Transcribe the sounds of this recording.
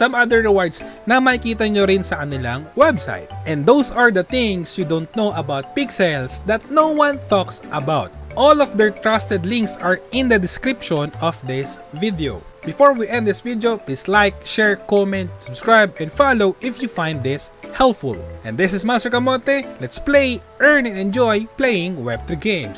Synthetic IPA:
sɐ̃mad̪ɛɹːɛwaɹd̪snɐmɐɪkiːt̪ɐɲoɾɪnsɐkɐnɪlaŋwɛbsa̰jt̪̚ʔɛ̃nd̪owsɐɹd̪ɐθɪ̃ŋsjud̪ont̪̚nowʔɐbawt̪̚piksɛlsd̪ɐt̪̚nowwãnt̪ɔksʔɐbawt̪̚ʔɔlɔfd̪ɛɹt̪ɹast̪ɛd̪lɪ̃ŋksɐɹɪ̃nd̪ɐd̪ɪskɾɪpʃɔ̃nɔfd̪ɪs | vid̪ɛo̰ | b̥ɪfɔɹwiʔɛ̃nd̪d̪ɪsvid̪ɛoʊpliːslajk̚ʃɛɹkɔmɛ̃nt̪sʊbskɹajbɛ̃nfalowʔɪfjufãjnd̪d̪ɪshɛlpfʊ̰lʔɛ̃nd̪ɪsɪsmast̪ɛɹkɐmɔt̪ɛlɛt̪splejʔɛɹnɛ̃nɛ̃nd͡ʒɔjplejɪ̃ŋwɛb̚t̪ɹiɡẽj̃ms

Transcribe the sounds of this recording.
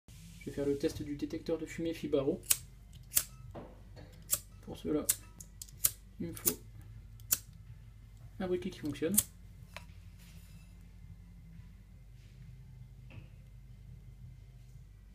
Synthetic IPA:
ʒ̥əvefɛʁlət̪ɛst̪d̪yd̪et̪ɛk̚t̪œʁd̪əfymefibaʁo | puʁsəla | ilməfo | fabʁikʲekʲi̥fɔ̃ksjɔn

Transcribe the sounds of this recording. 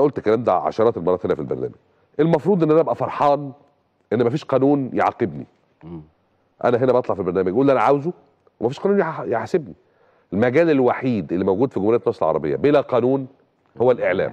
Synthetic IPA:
æʔolt̪kːælæːmd̪æʕɑ̰ʃɑɾˤɑːt̪elmɑɾˤɑːt̪henæfilbæ̰ɾˤnæ̰ːmæɡ̥ | ʔelmɑfɾˤuːd̪ˤʔenːʔænæʔæbʔæfɑɾˤħɑːn | ʔenːmæfiːʃqɑːnuːnjeʕɑ̰qebnḭ | ʔæ̰næɦenæbʔɑt̪ˤlɑʕfilbeɾnæːmæɡjʔuːlʔænæʕawzu | wemæfiːʃqɑːnuːnjħjeħsebni | ʔelmæɡæːlelwaħiːd̪ʔelːimæwɡuːd̪fiɡomhɾejæt̪nɑːsˤelʕɑ̰ɾˤɑbḛjːɑ̰belæqɑːnuːn | howːælʔeʕlæ̰ːm

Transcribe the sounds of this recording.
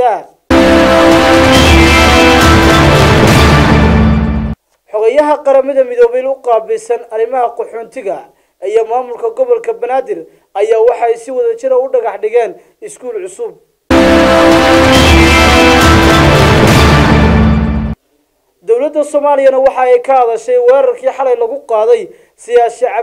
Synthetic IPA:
aː | ħɔɣɛjɐɦɐqɑɾɐmɐðɐmɪðɔːβɛjlʊqɑːbɪsɐnɐɾɪmɐɦɐqɔħɔːnt̪ʰɪɣɐ | ijɔmaːmʊlkʰɐɡɔβɔlkʰɐbɐnaːðɪr | ɐjaːwɑħɑɛjsɪwɐðɐt͡ʃɪɾɐʊɖɐɣɑħɖɪɣɛːn | ɪskʰuːlʕʊsʊb̚ | d̪ɔwlɐd̪ːɐsɔmaːlɪjɐnɐwɑħɑɛjkʰɐɐðɐʃɛjwɛːɾɐrkʰiːħɑlɐjlɐɣʊqɑːðɛj | sɪjaːʃɪʕɑ

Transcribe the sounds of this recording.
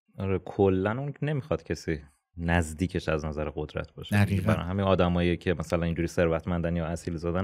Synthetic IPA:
ɒɾekʰolːænunne̞miːxɒːd̪̥cʰesiː | næzd̪iːcʰe̞ʃæznæzæɾeɣod̪ɾæ̰t̪ʰb̥ɒ̰ːʃebæɾ̰nhæminɒːd̪æmɒːjijecʰe̞mæsælæniːnd͡ʒuːɾiːse̞ɾvæt̪ʰmænd̪ænjɒːæsiːlzɒːd̪æn

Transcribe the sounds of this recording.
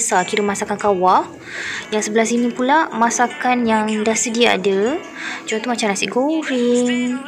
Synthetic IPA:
sakiɾəmasakankawah | jaŋsəbəlasinĩpulamãsakanjaŋdahsədia̰ːdə | t͡ʃuant̪umat͡ʃamnasiʔɡoɾiŋ

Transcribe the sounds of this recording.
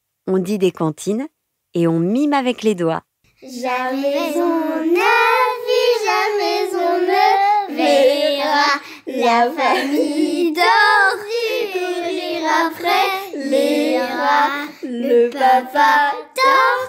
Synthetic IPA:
ɔ̃d̪id̪ekɑ̃t̪ʰin | eɔ̃mimavɛkled̪wa̰ | ʒamɛzɔ̃naviʒamɛzɔ̃nəleʁa | lafamid̪ɔʁuʁiʁapχɛleʁaləapat̪ɔ

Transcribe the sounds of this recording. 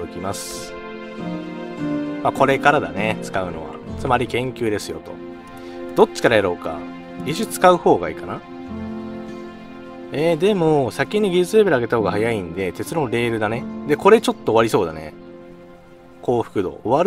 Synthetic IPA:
okʲimasɨ̥ | mako̞ɾe̞kaɾad̪a̰net͡sɨ̥kaɯ̟no̞̰βa̰t͡sɨmaɾʲikẽ̞ŋkʲɨːd̪e̞sɨjo̞̰t̪o̞̰ | d̪̥o̞t͡ɕːi̥kaɾajaɾo̞ːka̰ | iɕɨt͡sɨ̥kaɯ̟ho̞ːɡaḭːkana | eːd̪e̞mosakʲiɲ̟ːiɡʲid͡ʑɨt͡sɨɾe̞beɾ̟aɡe̞t̪aho̞ːɡahajaĩnd̪e̞t̪e̞t͡sɨɾo̞ːɾe̞ːɾɯ̟d̪ane̞d̪e̞ko̞ɾe̞t͡ɕo̞t̪ːoːβaɾʲiso̞ːd̪a̰nḛ | ko̞ːɸɯ̟̥kɯ̟d̪o̞̰ːβaɾ

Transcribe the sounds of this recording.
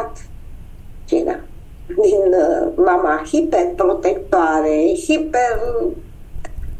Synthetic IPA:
t̪ | t͡ʃḭna̰ | ninəmamahipet̚pɾot̪ek̚t̪oaɾeihipeɾ

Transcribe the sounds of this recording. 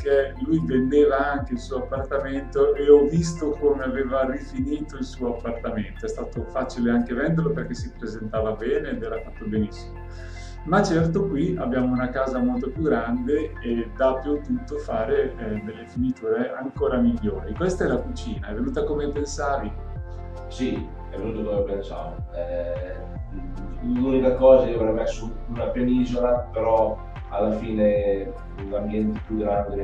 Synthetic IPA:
k̟elujvend̪eːvaaŋk̟eilsuːoapːart̪ament̪oʔeɔvːist̪okomeaveːvarifiniːt̪oilsuːoapːart̪ament̪oɛst̪aːt̪ofat͡ʃileaŋk̟evɛnd̪eɾrloperk̟ɛsːipɾezent̪aːvabɛːneːd̪ɛːɾafat̪ːobenisːimo | mat͡ʃːɛrt̪okwia̰bjaːmounakaːzamolt̪opjuɡɾand̪eː | d̪apːut̪ːut̪ːofaːɾeɛd̪elːefinit̪uːɾeʔaŋkoːɾamiʎːoːɾikwest̪aɛlːakut͡ʃiːnaɛvːenuːt̪akomepensaːvi | si | ɛvenuːt̪okomepjant͡ʃa̰ːvo | ɛ | lunikakɔːzaiovɾɛmɛsuːnapjeniːzolapeɾɔ | a̰lːafiːne | lambjɛnt̪e̥pjuɡɾand̪e

